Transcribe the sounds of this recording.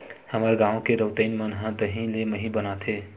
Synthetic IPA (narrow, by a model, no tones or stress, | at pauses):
həməɾɡãõkeɾəɦt̪əɪnmənɦə̃d̪əɦĩleməɦĩbənat̪ʰe